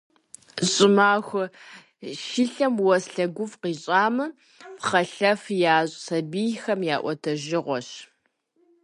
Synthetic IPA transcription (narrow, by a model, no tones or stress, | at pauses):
ɕʼɪmaːxʷʊ | ʃɪɬɐmwɔsɬɐɡʷʊfqiːɕʼaːmɨ | pχɐɬɐfjaːɕʼsɐbijxɐmjaːʔʷɔtʰɐʒɪʁʷɔɕ